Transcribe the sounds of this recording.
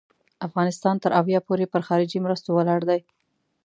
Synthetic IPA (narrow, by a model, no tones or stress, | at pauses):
afɣɑnɪst̪ɑnt̪əɾʔawjɑpoɾepəɾxɑɾɪd͡ʒimɾəst̪owəlɑɽd̪aj